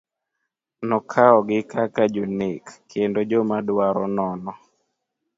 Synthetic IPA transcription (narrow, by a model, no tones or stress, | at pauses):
nɔkʰaɔɡɪkakad͡ʒonekːendod͡ʒɔmadwaɾɔnɔnɔ